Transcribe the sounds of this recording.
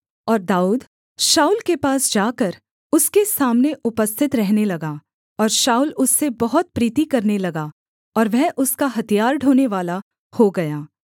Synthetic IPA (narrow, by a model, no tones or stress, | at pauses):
ɔːɾd̪aːuːd̪ | ʃaːuːlkepaːsd͡ʒaːkɐɾ | ʊskesaːmneʔʊpəst̪ʰɪt̪ɾɛɦnelɐɡaː | ɔːɾʃaːuːlʊsːebɐɦʊt̪̚pɾiːt̪ikɐɾnelɐɡaː | ɔːɾʋɛɦʔʊskaɦɐt̪ijaːɾɖʱoːneʋaːla | hoɡɐjaː